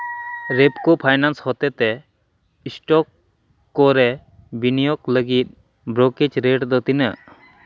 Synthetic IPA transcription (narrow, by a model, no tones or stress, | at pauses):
ɾepkɔpʰajnanshɔt̪ɛt̪ɛ | isʈɔkː | ɔɾɛ | binijɔkləɡit̪̚ | bɾokid͡ʒɾeʈd̪ɔt̪inə